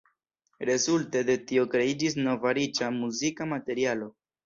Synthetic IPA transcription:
ɾe̞zulte̞de̞tio̞kɾe̞id͡ʒis̬no̞vaɾit͡ʃamuzikamate̞ɾialo̞

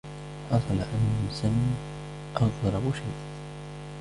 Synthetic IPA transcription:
ħɑsˤɑlaʔanmsam | ʔɑɣɾˤɑbʊʃajʔ

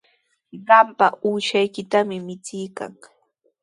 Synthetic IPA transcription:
ɢɑmpaʔuːʃajkɪt̪amɪmɪt͡sɪjka̰ŋ

